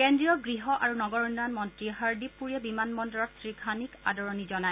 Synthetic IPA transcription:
kendɹijɔɡɹiɦɔʔaɹunɔɡɔɹɔnanmɔntɹiɦaɹdipːuɹiɛbimanmɔndɔɹɔtsɹikʰanika̰dɔɹɔnizɔnae

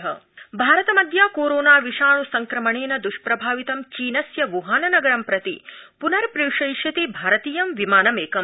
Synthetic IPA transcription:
ɦɐ̰bʱaːɾɐt̪ɐmɐd̪ʱjaːkoːɾoːnaːʋiʃaːɳusɐŋkɾɐmɐɳeːnɐd̪uʃpɾɐbʱaːʋit̪ɐmt͡ʃiːnɐsjɐʋuɦaːnɐnɐɡɐɾɐmpɾɐt̪ḭpunɐɾpɾiwʂɐjʃɐt̪ibʱaːɾɐt̪iːjɐmʋimaːnɐmeːkɐm

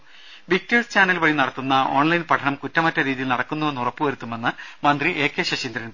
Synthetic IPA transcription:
ʋik̚twiɭst͡ɕaːnːɐlʋɐɭinɐɽɐt̪ːunːɐo̞ːɳlɐjnpɐʈʰɐɳɐmkutːɐmɐtːɐɾiːðijilnɐɽɐkːunːuʋenːurɐpːɨʋɐɾut̪ːume̞nːɨmɐnd̪riʔe̞ːkːe̞ːɕɐɕind̪ɐɾɐn

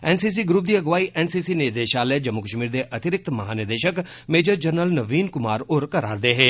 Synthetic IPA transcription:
ɛːnsiːs̬iɡɾup̚d̪iːɐɡʋaːiʔɛːnsiːsinɪɾd̪eːʃaːlɛːd͡ʒəmːukəʃmiːɾd̪eʔɐt̪ɪɾɪk̚t̪mɐɦaːnɪɾd̪eːʃək | meːd͡ʒəɾd͡ʒəɾnəlnəʋiːnkʊmaːɾʊɾkəɾa̰ːɾd̪eɦɛː

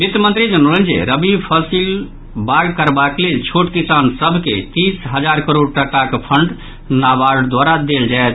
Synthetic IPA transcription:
bit̪jəmə̃nt̪ɾid͡ʒənolə̃nd͡ʒḛɾəbipʰəsil | baɡkəɾbaklelt͡ʃʰoʈkisansəbʱket̪isɦəd͡ʒaɾkəɾoɽʈəkakepʰəɳɖ | nabaɽd̪waɾad̪eld͡ʒaet̪

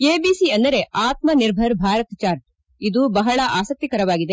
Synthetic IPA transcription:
eːbiːsiɐnd̪ɐɾe̞ʔaːt̪̚mɐniɾbʱɐɾbʱaːɾɐt̪t͡ʃaːɾʈ̚ | id̪ubɐɦɐɭɐʔaːsɐk̚t̪ikɐɾɐʋaːɡid̪e̞

